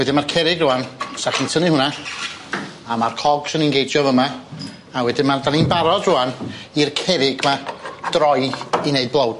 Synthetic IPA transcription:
wɛdɪnmarkʰɛɾɪɡrʊansaχɪntʰənɨhʊna | amarkʰɔɡ̥sɪninɡejdjɔvəma | awɛdɪnmardaninbaɾɔdrʊanirkʰɛɾɪɡmad̥rɔɨineɨd̚blˠowd̥

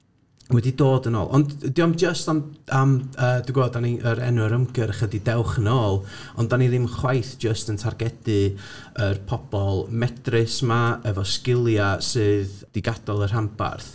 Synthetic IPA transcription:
wɛdidoːdəno̰ːlˠɔ̰nddiɔmd͡ʒəstamaməːduɡoːdaniʔəɾɛ̰nʊəɾəmɡəɾəχədidɛwχənoːlˠ | ɔndaniðɪmχwajθd͡ʒəstəntʰarɡɛd̥ɨ | ərpʰɔb̥ɔlˠmɛd̥rɪsmaəvɔskɪlˠjasɨːðd̥ɪɡad̥ɔlˠər̥ampa̰rθ

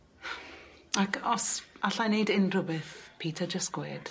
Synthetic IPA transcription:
akʰɔsaɬajnejdɪnrʊbɪθpʰiːtʰad͡ʒəstɡ̥weːd̥

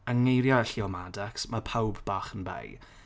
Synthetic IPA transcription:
əŋːejɾjaɛɬiɔmadɛksmapʰawbbaːχənbḛj

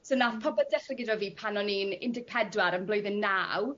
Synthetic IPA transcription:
sonaθpʰɔbədɛχrɪɡɪdɔviːpʰanɔniːnɪ̰ndɪɡ̚pʰɛdwaɾənblojðɪnnaw

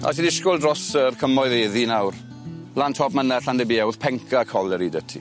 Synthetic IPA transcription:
a̰sʰinɪskʊlˠdrɔsərkʰəmɔɨðeːðinawr | b̥lantʰɔbmənɛɬandəbiːɛwðpʰɛŋkʰakʰɔlˠəɾidətʰḭ

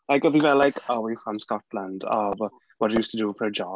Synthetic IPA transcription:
laɪkəðivɛlaɪkʰəwifɹə̃mskɔtˡlãndəv | wɒtəjuːstədəfəɹəd͡ʒɔ

